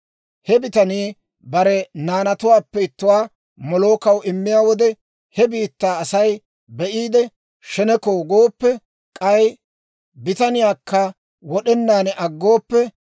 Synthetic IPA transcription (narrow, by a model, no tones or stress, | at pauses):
hɛbɪt̪ɐniː | bɐɾɛnaːnɐt̪ʊwaːpːɛɪt̪ːʊwaː | mɔlo̞ːkɐwɪmːɪjaːwɔd̪ɛ | hɛbiːt̪ːaːɐsɐj | bɛʔiːd̪ɛ | ʃɛnɛkoːɡoːpːɛ | kʼɐj | bɪt̪ɐnɪjaːkːɐ | wɔɗɛnːaːnɛʔɐɡːo̞ːpːɛ